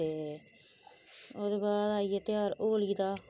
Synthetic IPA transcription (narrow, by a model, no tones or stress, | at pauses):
eː | oːd̪eːbaːd̪aːiːet̪jaːɾoːliːd̪aː